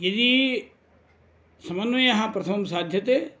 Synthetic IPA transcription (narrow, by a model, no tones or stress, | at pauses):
jɐd̪i | sɐmɐnːɐjɐɦãpɾɐt̪ʰɐmɐmsaːd̪ʱjɐt̪e